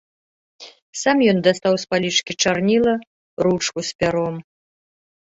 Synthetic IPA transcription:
samjɔnd̪ast̪awspalʲit͡ʂkʲit͡ʂarnʲilˠɐ | ɾut͡ʂkuspʲaɾɔm

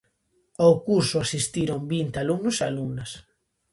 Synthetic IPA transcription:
awkuɾsʊasist̪iɾoŋbint̪ealumnosa̰lumnas

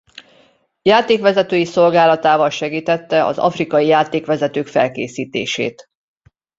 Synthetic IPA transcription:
jaːt̪eːkʋɛzɛt̪øːjiso̞lɡaːlɒt̪aːvɒlʃɛɡiːt̪ɛt̪ːɛʔɒ̰zɒ̰frikɒjijaːt̪eːkʋɛzɛt̪øːkfɛ̰lkḛːsiːt̪ḛːʃḛːt̪

